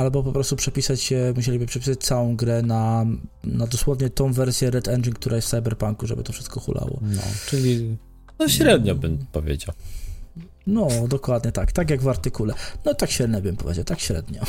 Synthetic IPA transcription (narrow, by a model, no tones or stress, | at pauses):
albɔpɔpɾɔst̪upʂɛpʲisat͡ɕɛmuɕelʲibɘpʂɛpʲi̥sat͡ɕt̪sawɔ̃w̃ɡɾɛna | nad̪ɔswɔvɲɛt̪ɔ̃w̃vɛɾsʲjɛɾɛt̪ɛnd͡ʐink̚t̪uɾajɛst̪fsajbɛɾpaŋkuʐɛ̰bɘ̰t̪ɔfʂɘst̪̚kɔxṵlʔa̰wɔ̰nɔ̰t͡ʂɘlʲi | nɔɕɾɛd̪ɲɔbɘmpɔvʲjḛd͡ʑa̰w | nɔd̪ɔkwad̪ɲɛt̪akt̪akʲjaɡvaɾt̪ɘkulɛnɔt̪akɕɾɛd̪ɲɛbɘmpɔvʲjḛd͡ʑawt̪akɕɾɛ̰d̪ɲɔ